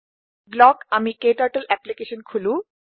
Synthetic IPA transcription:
ɡlɔkamikeʈaɾʈəlʔɛplikeʃonkʰulu

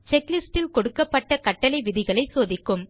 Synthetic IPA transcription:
t͡ʃɛklɪsʈɪlkɔɽɯkːɐpːɐʈːɐkɐʈːɐlɐɪʋɪðɪɣɐɭɐɪsoːðɪkːɯm

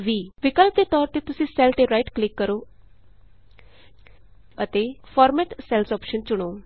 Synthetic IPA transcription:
ʋiːʋɪkəlp̚d̪eːt̪ɔːɾt̪eːt̪ʊsĩːsɛːlʈeːɾaːiʈklɪkːəɾoː | ət̪eːpʰɔːɾmɛʈsɛlsɔːpʃənt͡ʃʊɽ̃oː

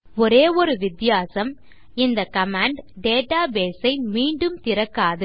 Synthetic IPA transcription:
ɔɾeːɔɾɯʋɪt̪ːɪjaːsɐm | ɪnd̪ɐkɐmaːɳɖɖeːʈaːbeːsɐɪmiːɳɖɯmt̪ɪɾɐkːaːðɯ

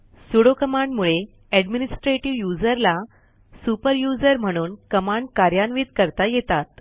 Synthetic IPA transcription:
suɽokəmaɳɖmuɭe | ɛɖminisʈɾeʈiʋjud͡zəɾla | supəɾjud͡zəɾm̤əɽ̃uːnkəmaɳɖkaɾjanʋit̪kəɾt̪ajet̪at̪

